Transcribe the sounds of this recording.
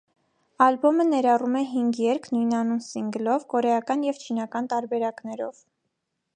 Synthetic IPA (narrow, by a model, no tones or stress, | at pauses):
ɑlbɔmənɛɾɑrumɛɦiŋɡjɛɾkʰnujnɑnunsiŋɡlɔvkɔɾɛjɑkɑnjɛvt͡ʃʰin̪ɑkɑnt̪ɑɾbɛɾɑknɛɾɔ̰v̥